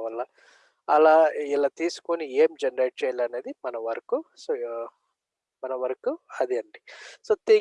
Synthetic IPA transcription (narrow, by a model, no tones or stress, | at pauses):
ɐlːa | ɐlaːilaːt̪iːsu̥konieːmd͡ʒɐnɾejʈ̚t͡ʃɛːjɐlɐneːd̪imɐnɐʋɐɾɐkuso | mɐnɐʋɐɾɐkuɐd̪iɐɳɖisoːt̪iː